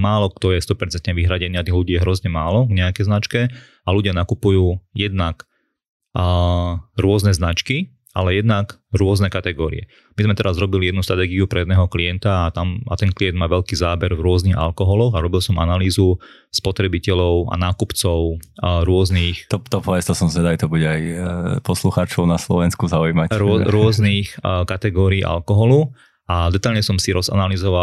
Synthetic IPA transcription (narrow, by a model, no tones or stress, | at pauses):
maːlɔkt̪ɔjɛst̪ɔpɛɾt͡sɛnt̪ɲɛʋiɦɾaɟɛniːat̪iɦluɟiːjɛɦɾɔzɲɛmaːlɔɡɲɛakɛjznat͡ʃkɛ | aluɟɪanakupujuːjɛd̪nakː | ɾʊɔznɛznat͡ʃki | ʔa̰lɛjɛd̪nakɾʊɔznɛkat̪ɛɡɔːɾḭɛ̰ | mizmɛt̪ɛɾazɾɔbiliɛd̪nust̪ɾat̪ɛːɡiupɾɛjɛd̪nɛːɦɔkliɛnt̪aːt̪ama̰t̪ɛnkliɛnd̪̚maːʋɛʎkiːzaːbɛɾvɾʊɔzniɣa̰lkɔɦɔlɔɣaɾɔbilsɔma̰naliːzu | spɔt̪ɾɛbicɛʎɔʊa̰naːkupt͡sɔʊɾʊɔzniːxt̪ɔt̪ɔpɔɛst̪ɔsɔmzʋɛd̪ajt̪ɔbuɟɛajpɔsluxaːt͡ʃɔʊnaslɔʋɛnskuzaujmaɾʊɔɾʊɔzniːxkat̪ɛɡɔːɾiːʔa̰lkɔɦɔlu | ad̪ɛt̪aʎɲɛsɔmsiɾɔza̰nalizɔʋa